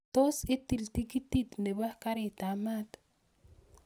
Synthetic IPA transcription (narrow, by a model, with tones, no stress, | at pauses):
t̪o˦sɪ˦ti˨lti˦ki˦t̪i˦t̪ne˨ba˦ka˦ɾɪ˨ta˨ma˦t̪